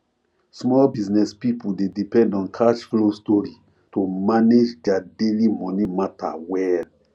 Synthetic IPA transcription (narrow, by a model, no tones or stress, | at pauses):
smɔlbiznɛspipuldedipɛ̃ndɔ̃nkʰaʃflostɔɹi | tomaned͡ʒdadelimɔ̃nimata̰wɛl